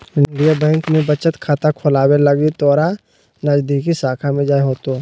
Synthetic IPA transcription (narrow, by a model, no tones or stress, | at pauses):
ɪɳɖijabɛ̃ːŋkmẽbət͡ʃət̪kʰaːt̪akʰʊlaːweləɡit̪ɔːɾa | nad͡ʒd̪iːkisaːkʰamẽd͡ʒaːeɦoːt̪oː